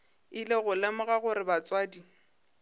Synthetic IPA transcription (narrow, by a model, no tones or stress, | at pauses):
ileɣʊlɪmʊɣaɣʊɾɪbat͡sʼwaːdi